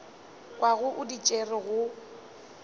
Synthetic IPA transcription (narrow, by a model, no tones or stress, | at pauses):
kʼwaɣʊʔʊdit͡ʃʼerɪɣʊ